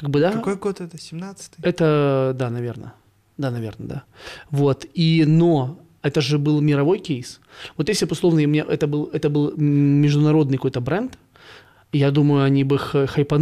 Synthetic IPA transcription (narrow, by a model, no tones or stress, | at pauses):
kaɡ̚bɨd̪akojɡot̪ɛt̪əsʲɪmnat̪sɨ̥t̪ɨɛt̪əd̪anɐvʲe̞rnə̰ | d̪anɐvʲe̞̰rnəd̪a̰vo̞t̪ino̞ | ɛt̪əʐɨbɨlˠmʲɪɾɐvo̞jkʲejsvot̪jesʲɪbpʊslˠovnəjmʲɪnʲeʔɛt̪əbɨlˠɛt̪əbɨlˠːʲɪʐd̪ʊnɐɾo̞d̪nɨjkojt̪əbɾɛnt̪ | jad̪uməjʊɐnʲibɨxxɐjpɐn